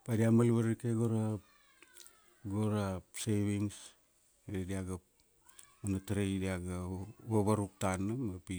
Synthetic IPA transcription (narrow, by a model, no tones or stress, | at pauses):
padiamalβaɾikeɡoɾa | ɡoɾaseβiŋs | ediaɡa | manataɾejdiaɡaβaβaɾuk̚tanːamapi